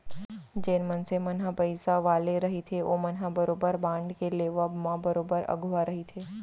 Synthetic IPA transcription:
d͡ʒeːnmənsemɐnɦapəɪsaʋaːleɾɐɦit̪ʰeoːmɐnɦabɐɾoːbəɾbãːɳɖkeleːʋəbmãbɐɾoːbəɾɐ̰ɡʱʊaɾɐɦit̪ʰeː

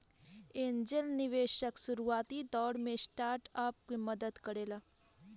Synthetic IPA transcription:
eːnd͡ʒəlniʋeːʃəksuɾuaːt̪iːd̪ɔːɽmẽsʈaːɾʈaːp̚keməd̪əd̪kəɽeːla

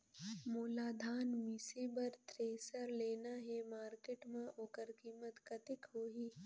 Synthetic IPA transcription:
moːlaːd̪ʱaːnmisebəɾt̪ɾeːsəɾleːnaɦemaːɾkeʈmãʔoːkəɾkiːmət̪kɐt̪ɪkɦoːɦiː

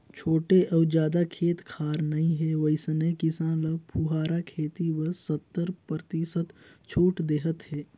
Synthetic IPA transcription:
t͡ʃʰoːʈeʔɔːd͡ʒjaːd̪akʰeːt̪kʰaːɾnɐɦĩɦɛʋɐɪsnekɪsãːləpʰuɦaːɾakʰeːt̪iwəsət̪ːəɾpət̪isət̪t͡ʃʰuːʈd̪eːɦət̪ɦɛː

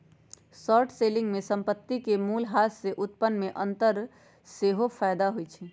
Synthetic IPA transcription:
sɔɾʈʰseliŋɡmesəmpət̪ːikemulɦasseʔut̪pənːmeʔənt̪əɾ | seɦopʰajd̪aɦojt͡ʃʰɛ

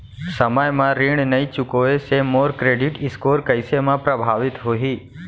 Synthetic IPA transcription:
səməjmãɾiɳ̃nəit͡ʃʊkoesemoːɾkɾeɖɪʈɪskoːɾkəɪsemãpɾəbʱaːʋɪt̪ɦoɦiː

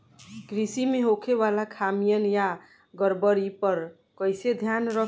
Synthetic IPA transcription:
ɡɾisimeɦokʰeβalakʰamijənja | ɡəɾbəɾipəɾ | kəjsed̪ʱjanɾə

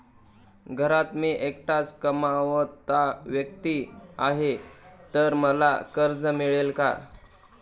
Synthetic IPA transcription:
ɡʱəɾat̪meʔekʈat͡skəmaʋət̪aʋjək̚t̪iaɦet̪əɾməla̰kəɾd͡zəmiɭelka̰

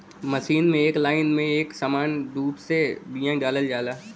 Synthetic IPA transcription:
mɐʃiːnmẽeːklaːɪnmẽeːksɐmaːnɖuːbsebijãɖaːləld͡ʒaːlaː

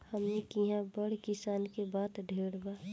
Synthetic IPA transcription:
həmnikiɦãbəɽkɪsaːnkebaːt̪ɖʱeːɽbaː

